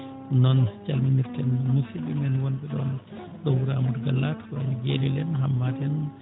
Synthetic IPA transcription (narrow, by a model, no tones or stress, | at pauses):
nɔnt͡ʃalminiɾtɛnmusibimɛnwɔnɓɛɗɔ̰n | ɗɔwuɾamɔdɡalːatkɔɛniɡeɾɛlɛnɦambatɛn